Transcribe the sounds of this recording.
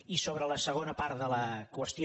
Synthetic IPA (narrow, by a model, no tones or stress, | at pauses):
isoβɾələsəɣ̞onəpaɾt̪ðələkwəst̪i